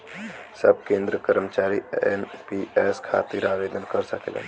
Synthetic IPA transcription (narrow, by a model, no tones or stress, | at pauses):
səb̚kẽːnd̪ɾəkəɾmət͡ʃaːɾienpieskʰa̰t̪iɾabed̪ənkəɾsəkḛlə̰n